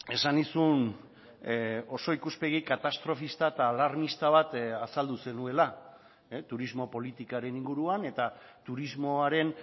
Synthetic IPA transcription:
e̞sanisun | o̞so̞ikuspe̞ɣ̞ikat̪ast̪ɾo̞fist̪at̪aːlaɾmist̪aβ̞at̪asald̪use̞nue̞la | t̪uɾizmo̞po̞lit̪ikaɾe̞niŋɡuɾuane̞t̪at̪uɾizmo̞aɾe̞n

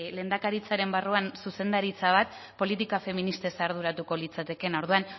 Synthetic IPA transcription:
le̞ːnd̪akaɾit͡saɾe̞mbaruansuse̞nd̪aɾit͡saβ̞at̪ | po̞lit̪ikafe̞minist̪e̞saɾð̞uɾat̪uko̞lit͡sat̪e̞ke̞no̞ɾðuan

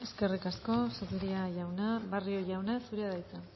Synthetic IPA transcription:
e̞ske̞rikasko̞sokiɾiaʝawneβario̞ʝawnesuɾeaðajt͡sen

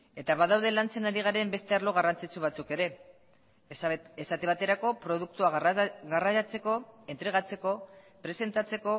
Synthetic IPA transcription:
e̞t̪aβaðawðe̞lant͡se̞naɾiɣ̞aɾe̞mbe̞st̪e̞arlo̞ɣarant͡sit͡suβat͡suke̞ɾe̞ | esat̪eβat̪e̞ɾako̞pɾo̞ðuk̚t̪uaɣaraat͡se̞ko̞e̞nt̪ɾe̞ɣ̞at͡se̞ko̞ | pɾe̞se̞nt̪at͡se̞ko̞

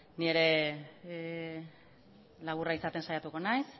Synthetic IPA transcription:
nie̞ɾe̞ | laɣ̞uraisat̪e̞nsajat̪uko̞najs

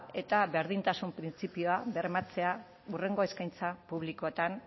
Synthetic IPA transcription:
e̞t̪aβe̞ɾðint̪asumpɾint͡sipio̞aβeremat͡se̞a | ure̞ŋɡo̞e̞skajnt͡sapuβ̞liko̞et̪an

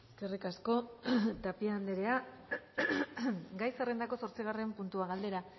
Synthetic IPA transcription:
skerikasko̞t̪apiaːnd̪e̞ɾe̞a | ɡajsere̞nd̪ako̞so̞ɾt͡siɣ̞are̞mpunt̪uaɣald̪e̞ɾa

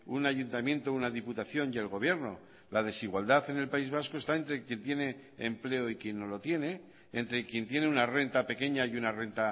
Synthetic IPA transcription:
unaʝunt̪amjẽ̞nt̪ounaðiput̪aθjo̞nje̞lɣ̞o̞βje̞ɾno̞ | lað̞e̞siɣwald̪aθe̞ne̞lpaizβaskoest̪aent̪ɾe̞kje̞nt̪je̞ne̞̰ː | mple̞oikje̞nːo̞lo̞t̪je̞ne̞ː | nt̪ɾe̞kje̞nt̪je̞ne̞unare̞nt̪ape̞ke̞ɲaiunare̞nt̪a

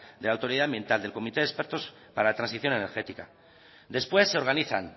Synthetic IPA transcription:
d̪e̞lawt̪o̞ɾiðambje̞nt̪ald̪e̞lko̞mit̪eðe̞spe̞ɾt̪o̞s | paɾalat̪ɾãnsiθjo̞ne̞neɾxe̞t̪ika̰ | d̪e̞spwe̞sːe̞o̞ɾɣaniθa̰n

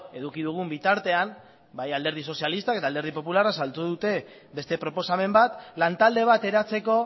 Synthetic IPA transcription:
e̞ðukiðuɣ̞umbit̪aɾt̪e̞am | bajald̪e̞ɾðiso̞sialist̪ake̞t̪ald̪e̞ɾðipo̞p̬ularasalt̪uðut̪e̞ | be̞st̪e̞pɾo̞po̞same̞mbat̪lant̪ald̪e̞β̞at̪e̞ɾat͡se̞ko̞

